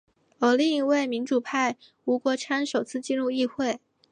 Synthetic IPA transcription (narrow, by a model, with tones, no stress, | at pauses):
ə˨˩li˥˧ŋi˧˥we˥˩ɪmi˧˥nʈ͡ʂu˨˩pʰa˥˩ɪ | u˧˥kwɔ˧˥ʈ͡ʂʰa˥nʂo˨˩ʊt͡sʰɹ̩˥˧t͡ɕi˥˧nɻu˥˧i˥˧xwe˥˩ɪ